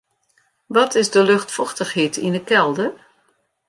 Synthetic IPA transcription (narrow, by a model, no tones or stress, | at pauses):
ʋɔtʰɪzdəlɵxtfɔxtəxheːtinəkɛlˠdə